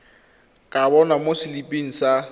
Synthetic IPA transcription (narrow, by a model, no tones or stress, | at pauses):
kʼabɔnamosɪlipʼiŋ̩sa